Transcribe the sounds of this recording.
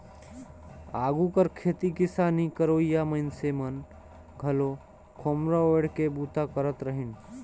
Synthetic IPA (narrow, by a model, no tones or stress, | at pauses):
aɡukəɾkʰet̪ikɪsanikəɾoijaməɪnsemən | ɡʱəlo | kʰomɾɔeɽkebut̪akəɾət̪ɾəɦin